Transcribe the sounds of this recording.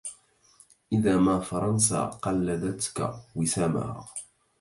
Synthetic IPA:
ʔɪðaːmafɑɾˤɑns̬a̰ːqɑlːad̪at̪ka̰wɪsaːma̰ha

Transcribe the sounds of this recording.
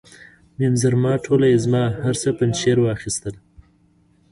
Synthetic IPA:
nemzaɾmɑʈʰolajezmɑhaɾsəpənʃeɾwɑxist̪əl

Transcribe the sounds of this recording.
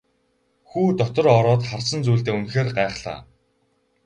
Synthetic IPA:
xuːt̪ɔt̪ɞ̆ɾɔɾɔːt̪χar̥sə̆nt͡suːɮt̪eːunxeːrɢaɛχɮa̰ː

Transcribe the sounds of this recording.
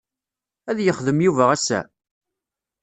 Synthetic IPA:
æðjəχðəmjuvæʁæsːæ̰

